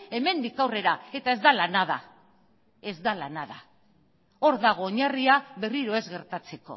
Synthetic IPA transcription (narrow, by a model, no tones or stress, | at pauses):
e̞me̞nd̪ikawre̞ɾae̞t̪ae̞zd̪alanað̞a̰ | e̞zd̪alanaða | o̞ɾðaɣ̞o̞ːɲariaβe̞riɾo̞e̞zɣe̞ɾt̪at͡se̞ko̞̰